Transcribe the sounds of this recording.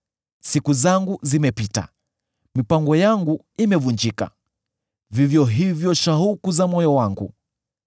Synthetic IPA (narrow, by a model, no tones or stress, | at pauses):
sikuzaŋɡuzimɛpita̰ | mipaŋɡɔjaŋɡu | imɛvund͡ʒika̰ | vivjɔɦivjɔʃaɦukuzamɔjɔwaŋɡṵ